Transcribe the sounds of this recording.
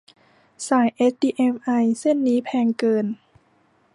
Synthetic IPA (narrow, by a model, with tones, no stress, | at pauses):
saː˩˦jʔe˦˥iː˧ʔe˧˩mʔa˧jse˥˩˨nːiː˧˦˥pʰɛː˧ŋkɤː˧n